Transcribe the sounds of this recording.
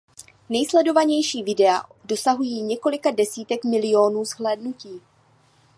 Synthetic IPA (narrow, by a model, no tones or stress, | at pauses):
nɛjslɛdo̞vaɲɛjʃiːvɪdɛa̰do̞saɦujiːɲɛko̞lɪkadɛsiːt̪ɛkmɪlɪo̞ːnuːzhlɛːdnuciː